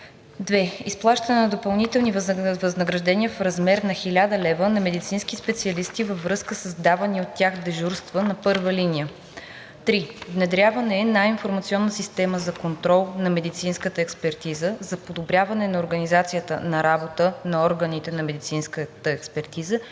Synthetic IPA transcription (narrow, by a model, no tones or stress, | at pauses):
d̪vɛisplˠaʃt̪ɐnɛnɐd̪opɐlˠnit̪ɛlˠnivvɐznəɡɾɐʒd̪ɛniəfɾɐzmɛɾnɐxilʲad̪əlɛvənɐmɛd̪it̪sinsk̟ispɛt̪siɐlist̪ivəvɾɤskəsəzd̪avɐniot̪ːjaxd̪ɛʒuɾst̪vənɐpɤɾvəlinijə | t̪ɾivnɛd̪ɾʲjavənɛːnajinfoɾmɐt̪siɔnːəsist̪ɛməzɐkont̪ɾɔlˠnɐmɛd̪it̪sinskət̪əɛkspɛɾt̪izəzɐpod̪obɾʲjavɐnɛnɐoɾɡɐnizat̪sijət̪ə̰nɐɾabot̪ənɐɔɾɡənit̪ɛnɐmɛd̪it̪sinskət̪əɛkspɛɾt̪izə